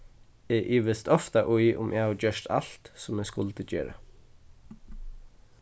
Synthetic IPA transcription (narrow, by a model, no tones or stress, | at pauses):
ɛʔɪːʋɪst̪ɔft̪aʔʊjʔʊ̰mʔɛhaʋd͡ʒœʃt̪ʰa̰l̥t̪sʊmɛːskʊlt̪əd͡ʒḛːɾa̰